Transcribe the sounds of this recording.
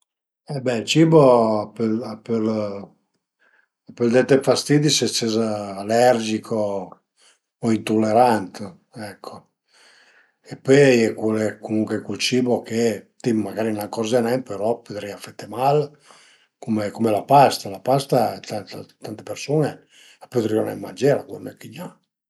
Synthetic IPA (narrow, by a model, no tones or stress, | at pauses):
ɛbɛilt͡ʃiːbopelpel | apeld̪ɛt̪ːefast̪iːd̪iset͡ʃːezaːlɛrd͡ʒikʰo | int̪olːeɾant̪e | ɛkʰːo | epːøjɛkelkomuŋkwekwult͡ʃiːboket̪imaɡaːɾinaŋkɔzanɛmpeɾɔpød̪ɾiafet̪ːemal | komekomelapast̪alapast̪at̪at̪t̪ant̪epeɾsune | apːød̪ɾionɛ̰mːad͡ʒɛɾakunɛkːiɲa